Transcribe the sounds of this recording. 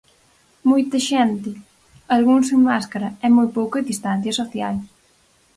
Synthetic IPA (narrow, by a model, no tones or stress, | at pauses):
mojt̪ɐʃɛnt̪ɪ | alɣuŋseŋmaskaɾɐɛmojpowkʊeðist̪ãn̟θjɐsoθjal